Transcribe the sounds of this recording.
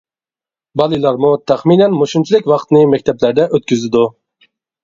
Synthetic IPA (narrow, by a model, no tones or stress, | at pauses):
bɑlˠɨlˠɑɾmut̪ʰæχminɛnmoʃunt͡ʃʰilɪkʲwɑqt̪nɨmɛk̚ʲt̪ʰɛplæɾd̪ɛʔøt̪kʲyzɪd̪u